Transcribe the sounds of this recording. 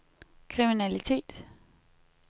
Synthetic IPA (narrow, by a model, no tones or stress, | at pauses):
kʰʁiminælit͡sʰe̝̰ːd̥